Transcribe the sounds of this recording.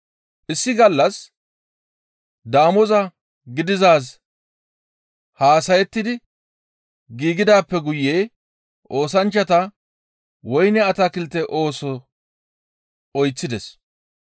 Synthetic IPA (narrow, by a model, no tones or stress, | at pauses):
ʔɪsːɪɡɐlːɐs | d̪aːmɔzɐ | ɡɪd̪ɪzaːs | haːsɐjɛt̪ːɪd̪ɪ | ɡiːɡɪd̪aːpːɛɡʊjːeː | ʔo̞ːsɐnt͡ʃːɐt̪ɐ | wɔjnɛɐt̪akɪlt̪ːɛʔo̞ːsɔ | ɔjt͡sːɪd̪ɛs